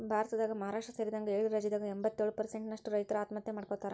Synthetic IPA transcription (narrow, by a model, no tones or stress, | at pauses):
bʱaːɾɐt̪ɐd̪aːɡɐmɐɦaɾaːʂʈɾɐseːɾid̪ɐŋɡɐeːɭiɾɐd͡ʒid̪aːɡɐembɐt̪ːjeːɭupɐɾse̞ɳʈnɐʂʈuɾɐjt̪ɐɾuaːt̪mɐt̪jɐmaːɖkot̪ːaːɾe